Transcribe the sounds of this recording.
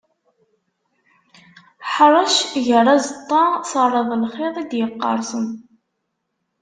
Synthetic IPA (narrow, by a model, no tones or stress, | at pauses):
ħɾˤɑʃʝərˤːɑzət̪ˤːɑsɑrˤɑðˤlχeðˤid̪jəqːɑ̰ɾˤsəm